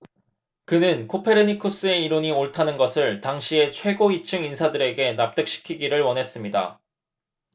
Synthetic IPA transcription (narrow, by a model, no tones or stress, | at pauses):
kɯnɯnkʰopʰe̞ɾɯnikʰus͈ɯe̞iɾoɲioɭtʰanɯnɡʌsʰɯɭtaŋɕʰie̞t͡ɕʰwe̞ɡoit͡ɕʰɯŋinsʰadɯɾe̞ɡe̞nap̚t͈ek̚ɕ͈i̥kʰiɡiɾɯɭwʌnɦe̞s͈ɯmɲida̰